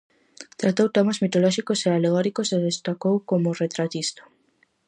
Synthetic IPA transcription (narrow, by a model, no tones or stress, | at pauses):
t̪ɾat̪owt̪emazmit̪olɔʃikosealeɣ̞ɔɾikoseðest̪akowkomʊret̪ɾat̪ist̪o̥